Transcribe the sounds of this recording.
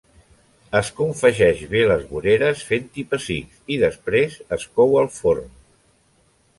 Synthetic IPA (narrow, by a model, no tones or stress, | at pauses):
əskuɱfəʒɛʒβeləzβuɾeɾəsfent̪ipəsiksiðəspɾezəskɔwəlˠfoɾm